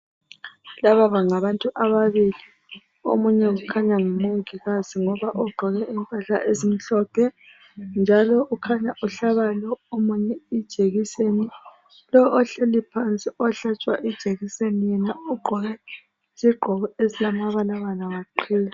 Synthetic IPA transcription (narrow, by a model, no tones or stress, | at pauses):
laβaβaŋaβantʼuʔaβaβili | o̰muɲɛɣukʰaɲaŋumoŋiɣaziŋɔβaʔɔɡ͡ǃʱɔɣɛimpʼaɬa̰ʔezim̩ɬɔpʰɛ | nd͡ʒʱalɔukʰaɲaʔuɬaβalɔomuɲɛid̥ʒ̥ʱeɣiseni | lɔːɬelipʰant͡sʼiɔɬat͡ʃʼwa̰ʔid̥ʒ̥ʱeɣisenijɛnauɡ͡ǃʱɔɣɛ | z̥iɡ͡ǃʱɔɣɔezilamaβalaɣanaŋaǃʰiːla